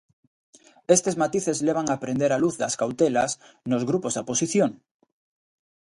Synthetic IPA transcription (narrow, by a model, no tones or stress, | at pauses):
est̪ezmat̪iθezleβ̞aŋapɾend̪eɾaluθðaskawt̪elas | nozɣɾupozðaposiθjoŋ